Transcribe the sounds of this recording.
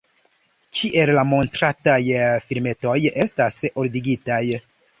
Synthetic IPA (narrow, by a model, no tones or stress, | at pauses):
kiʔe̞lːamo̞ntɾatajfiɾme̞to̞je̞stasoɾdiɡitaj